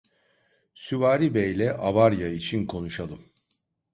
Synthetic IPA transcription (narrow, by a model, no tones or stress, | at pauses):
syvaːɾibɛjlʲɛʔaβaɾjait͡ʃʰinkʰo̞nuʃalˠɯm